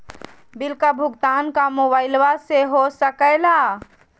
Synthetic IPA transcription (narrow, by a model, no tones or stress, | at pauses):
bɪlkabʱʊɡt̪aːnkamoːbaːɪlʋaseɦosəkəlaː